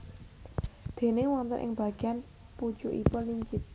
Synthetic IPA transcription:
d̪̥e̤newant̪ə̰nʔɪ̰ŋba̤ɡ̥i̤an | pu̥ʒ̥uʔipɔliɲt͡ʃɪt̪̚

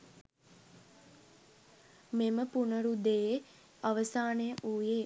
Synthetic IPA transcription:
meməpunəɾud̪ee | aʋəsaːnejəʔuːjeː

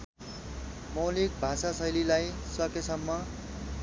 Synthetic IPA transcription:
mʌwlik̚bʱasasʌjlilajsʌkesʌmːʌ

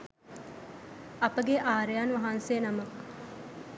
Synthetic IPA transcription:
ɐpəɡeʔaːɾejaːnʋɐɦanseːnɐmɐk

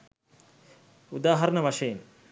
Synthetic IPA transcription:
ud̪aːɦɐɾɐnɐʋɐʃɐjin

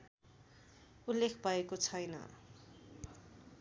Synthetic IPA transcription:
ulːekʰbʱʌekot͡sʰʌjnʌ̰

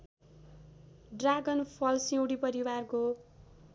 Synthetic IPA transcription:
ɖraɡʌnpʰʌlsĩw̃ɽipʌɾiwarko

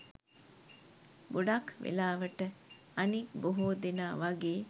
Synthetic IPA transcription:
buɖakʋḛlaːʋəʈə | anikboɦoːd̪enaːʋaɡeː

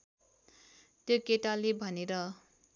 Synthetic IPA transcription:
t̪jokeʈalebʱʌneɾʌ

